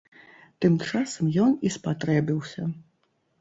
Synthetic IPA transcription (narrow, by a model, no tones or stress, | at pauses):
t̪ɨmt͡ʂasɐmjɔnispat̪ɾɛbʲiwsʲɐ